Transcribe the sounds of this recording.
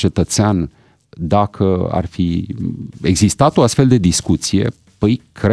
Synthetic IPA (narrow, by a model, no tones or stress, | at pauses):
t͡ʃe̞t̪ət̪sean | d̪akʰəa̰rfi | e̞ɡzist̪at̪o̞ast̪feld̪e̞d̪iskut̪sije̞̰ | pəjkɾe